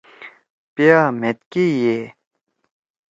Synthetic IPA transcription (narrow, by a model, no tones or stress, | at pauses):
peamet̪̚kije